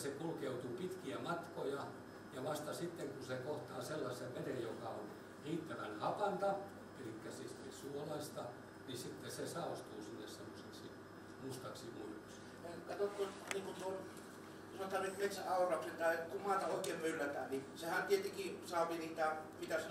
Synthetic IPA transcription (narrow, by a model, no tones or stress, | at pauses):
sekulkeut̪uːpit̪kiæmɑt̪kojɑ | jɑʋɑst̪ɑsit̪ːeŋkusekoht̪ɑːselːɑsˑeʋʋedejjokɑo̰n | riːt̪ːæʋæ̰nhɑpɑnt̪ɑ | elikːæsist̪ḭsuolɑist̪ɑ | nisit̪ːesesɑːost̪uːsinːḛssemːoseksi | must̪ɑksimuiluksi̥ | ekɑt̪ot̪kot̪niːŋkut̪on | sɑot̪ːɑːnyt̪met̪sæɑˑurɑksent̪ɑikummɑːt̪ɑoikˑeːmmylːæt̪æːnisehænt̪ʲiet̪eŋkisɑːʋiniːt̪æpit̪æs